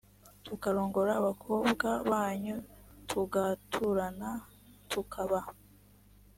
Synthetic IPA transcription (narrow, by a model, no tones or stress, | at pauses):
tukaɾo̞ːŋɡo̞ɾaːβakʰoːbɡaβaːɲutʰuɡatʰuɾana | tʰukʰaβa